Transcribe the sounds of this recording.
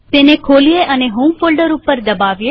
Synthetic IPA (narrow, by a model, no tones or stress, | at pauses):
t̪enekʰoːlijeʔəneɦoːmfolɖəɾupːəɾd̪əbaʋje